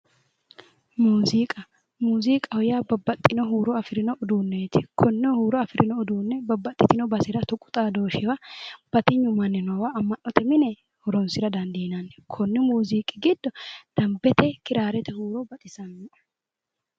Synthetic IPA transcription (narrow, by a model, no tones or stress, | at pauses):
muːziːkʼɐ | muːziːkʼɐwɔjabɐbːɐt̪ʼːɪnɔɦuːɾɔɐfɪɾɪnɔʊd̪uːnːet̪ɪkʰɔnːɛhuːɾɔɐfɪɾɪnɔːd̪uːnːɛbɐbːɐt̪ʼːɪt̪ɪnɔbɐsɪɾɐt̪ɔkʼːʊ̥t̪ʼaːd̪o̞ːʃɪwɐb̥ɐt̪ɪɲːʊmɐnːɪnɔwaːmːɐnɔt̪ɛmɪnɛ | hɔɾɔnsɪɾɐd̪ɐnd̪iːnɐnːɛkʰɔnːɛmuːziːkʼɪɡɪd̪ːɔd̪̥ɐmbɛt̪ɛkɪɾaːɾɛt̪ɛhuːɾɔbɐt̪ʼɪsɐnːɛ